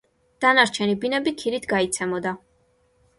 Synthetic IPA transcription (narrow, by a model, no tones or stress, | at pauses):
d̪̥anaɾt͡ʃʰɛnibinɛbikʰiɾit̪ʰɡait̪sʰɛmɔd̪a